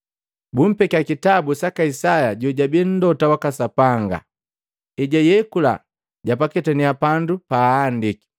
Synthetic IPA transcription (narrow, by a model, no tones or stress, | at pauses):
bum̩pɛkakitabusakaisajaɟɔɟabin̩dɔtawakasapaŋɡa̰ | iɟajɛkula̰ | ɟapakɛtɛniapandupaːndiki̥